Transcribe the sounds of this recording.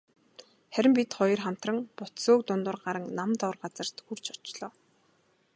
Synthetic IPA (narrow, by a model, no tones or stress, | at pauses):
χæɾʲɪ̆mpit̪χɔjɞ̆rχam̥t̪rə̆ŋpʊt̪soːkt̪ʊnt̪ʊ̆rɢaɾə̆ŋnamt̪ɔwrɢat͡sə̆r̥t̪xur̥t͡ɕʰɔ̥t͡ɕɮɔː